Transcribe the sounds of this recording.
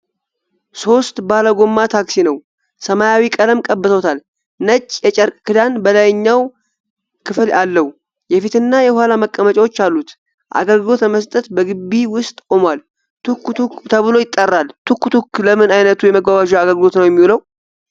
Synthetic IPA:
so̞st̪baləɡo̞mːat̪ʰaksinəw | səmajawikʼələmkʼəbːəsəwt̪ʰal | nət͡ʃʼːjɛt͡ʃʼəɾkʼkɨd̪anbəlajɲːaw | kʰɨfɨlʔalːəhu | jɛfit̪ɨnːajɛhwhalaməkʼːəmət͡ʃʼawo̞t͡ʃːalːut̪ | ʔa̰ɡəlɡɨlo̞t̪əməst̪ʼət̪bəɡɨbːiwʊst̪ʼkʼo̞mwal | t̪ʰukːut̪ʰukt̪ʰəβɨlo̞jɪt̪ʼːərːalt̪ʰukːut̪ʰukːləmɨnajnət̪ʰujɛməɡwawaʒuaɡəlɡɨlo̞t̪nəwjɛmːiwləw

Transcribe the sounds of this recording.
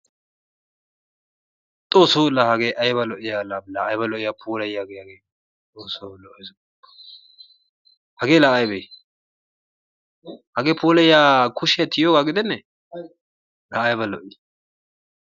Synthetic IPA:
t̪ʼoːsoːlːahɐɡeːʔɐjbɐlɔʔɪjalalaʔɐjbɐlɔʔɪjapʰuːlɐjːɡehɐɡeː | t̪ʼoːsoːlɔʔɪ | hɐɡeːlaːʔɐjbɛj | hɐɡeːpʰuːlɐjaːkʰʊʃɪjɐt̪ʰɪjoːɡaːɡɪd̪ɛnːɛ | laʔɐjbɐlɔ̰ʔɪj

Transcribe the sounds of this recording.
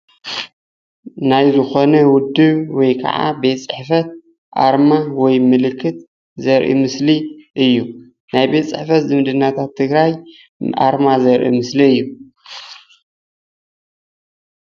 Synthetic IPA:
najzɨxo̞nɐwʊd̪ɨβwɔjkʰɐ̰ʕa̰be̞t̪t͡sʼɨħfɐt̪̚ | ʔa̰ɾmawɔjmɨlɨkʰːɨt̪ | zɐɾʔḭmɨsliʔɨjːu | najbet̪t͡sʼɨ̰ħfɐt̪zɨmɨd̪ɨnːat̪ʰat̪ʰːɨɡɾaj | ʔa̰ɾmazɐɾʔḭmɨsliɨjːu

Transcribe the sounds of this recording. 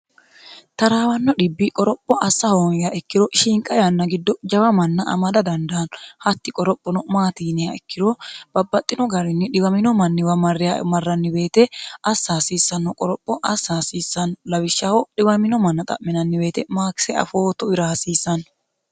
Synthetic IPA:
t̪ɐɾaːwɐnːɔᶑɪbːikʼɔɾɔpʼːɔʔɐsːɐhoːnjɐʔɛkːɪɾɔʃiːŋkʼɐjanːɐɡɪd̪ːɔd͡ʒɐwɐmɐnːɐʔɐ̰mɐd̪ɐd̪ɐnd̪ɐːnɔhɐt̪ːɪkʼɔɾɔpʼːɔnɔmaːt̪iːnɪjɐɛkːɪɾob̥ɐbːɐt̪ʼːɪnɔɡɐɾɪnːɪᶑɪɡɐmɪnɔmɐnːɪwɐmɐrːɪja̰mɐrːɐnːɪbe̞ːt̪ɛɐsːaːsiːsːɐnːɔkʼɔɾɔpʼːɔʔɐsːasiːsːɐnːɔlɐwɪʃːahɔɗɪbɐmɪnɔmɐnːɐt̪ʼɐ̰ʔmɪnɐnːɪbe̞ːt̪ɛmaːkɪ̥sɛɐ̰foːt̪ɔɪɾaɐsiːsːɐnɔ

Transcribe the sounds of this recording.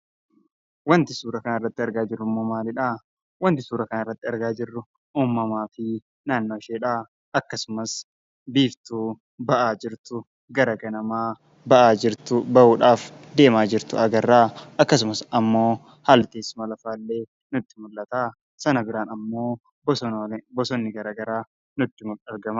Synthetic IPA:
wɐnt̪ɪsuːɾɐkɐnɪrːɐt̪ːɪɐɾɡaːd͡ʒɪrːʊmːoːmaːlɪᶑaː | wɐnt̪ɪsuːɾɐkɐnɪrːɐt̪ːɪɐɾɡaːd͡ʒɪrːʊ | uːmːɐmaːfɪ | naːnːoːɪʃeːᶑaː | ɐkːɐsʊmɐs | biːft̪uː | bɐʔaːd͡ʒɪɾt̪ʊ | ɡɐɾɐɡɐnɐmaː | bɐʔaːd͡ʒɪɾt̪ʊbɐʔuːᶑaːf | d̪e̞ːmaːd͡ʒɪɾt̪ʊʔɐɡɐrːaːɐkːɐs̬ʊmɐsɐmːo̞ː | halt̪eːsmɐlɐfaːlːe̞ː | nʊt̪ːɪmʊlːɐt̪aː | sɐnɐbɪɾaːnɐmːo̞ː | bɔsbɔsɔnːɪɡɐɾaɡɐɾaː | nʊt̪ːɪmʊlɐɾɡɐma

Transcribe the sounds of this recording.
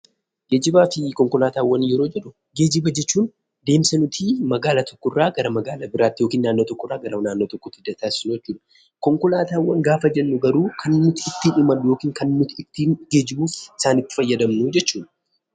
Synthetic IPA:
ɡe̞ːd͡ʒɪbaːfɪkɔŋkɔlaːt̪aːwːɐnjɛɾo̞ːd͡ʒɛᶑʊ | ɡe̞ːd͡ʒɪbɐd͡ʒɛt͡ʃːuːn | d̪e̞ːmsɐnʊt̪ʰimɐɡaːlat̪ʰɔ̥kːɔɪrːaːɡɐɾɐmɐɡaːlɐbɪɾaːt̪ːɪjo̞ːkiːnːaːnːoːt̪ɔkːɔrːaːɡɐɾɐnaːnːoːt̪ɔkːɔt̪ːɪd̪ɐt̪aːsɪsnɛt͡ʃːuːᶑɐ | kɔŋkɔlaːt̪aːwːɐŋɡaːfɐd͡ʒɛnːʊɡɐɾuːkʰɐnːʊt̪ɪɪt̪ːɪnɪmɐnːʊjo̞ːkiːŋkɐnnʊt̪ɪt̪ːinɡe̞ːd͡ʒɪbuːfɪsaːnɪt̪ːɪ̥fɐjːɐd̪ɐmnud͡ʒɛt͡ʃːuːn

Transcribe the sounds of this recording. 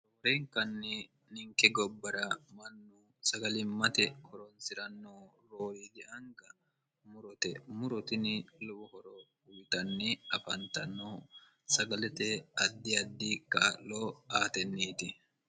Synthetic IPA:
ɾoːɾeŋkɐnːɪ | nɪŋkɛɡɔbːɐɾɐmɐnːu | sɐɡɐlɪmːɐt̪ɛhɔɾɔnsɪɾɐnːoː | ɾoːɾiːɡ̪ɪʔɐŋɡɐ | mʊɾɔt̪ɛmʊɾɔt̪ɪnɪlɔbʊhɔɾɔ | ʊjt̪ɐnːɪɐfɐnt̪ɐnːoː | sɐɡɐlɛt̪ɛɐd̪ːɪɐd̪ːiːkːaːlːoːaːt̪ɛnːiːt̪ɪ

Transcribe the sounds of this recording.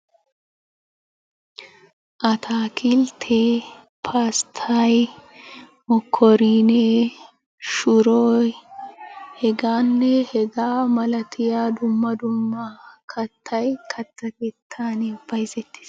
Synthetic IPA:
ʔɐt̪ʰaːkʰɪlt̪ʰe | pʰaːst̪ʰaj | mɔkʰːɔɾiːne | ʃʊɾoːj | hɛɡaːnːɛhɛɡaːmɐlɐt̪ʰɪjaːd̪ʊmːɐd̪ʊmːɐkʰɐt̪ʰːɐjkʰɐt̪ːɐkeːt̪ʰːaːnɛbɐjzɛt̪ːɪ̥s

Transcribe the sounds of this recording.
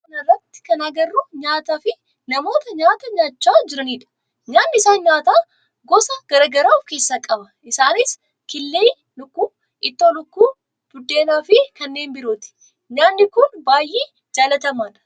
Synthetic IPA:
ɐnɐrːɐt̪ːɪ̥kɐnaːɡɐrːuɲaːt̪aːfɪ | nɐmo̞ːt̪ɐɲaːt̪ɐɲaːt͡ʃːaːd͡ʒɪɾɐniːᶑɐ̥ | ɲaːnːɪɪsaːnɲaːt̪aː | ɡɔsɐɡ̥ɐɾɐɡɐɾaːɔfke̞ːsːaːkʼɐbɐ | ɪsaːnɪs | kɪlːeː | lʊkːuː | ʔɪt̪ːoːlʊkːuː | b̥ʊd̪ːe̞ːnaːfɪkɐnːe̞ːnbɪɾoːt̪ɪ̥ | ɲaːnːɪkʊnbaːjʔːeː | d͡ʒaːlɐt̪ɐmaːᶑɐ̥

